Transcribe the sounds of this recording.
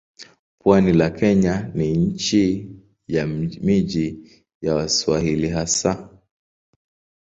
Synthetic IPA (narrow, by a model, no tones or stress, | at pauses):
pwanilakʰɛɲaniɲ̩t͡ʃi | jamid͡ʒi | jawaswaɦiliɦasa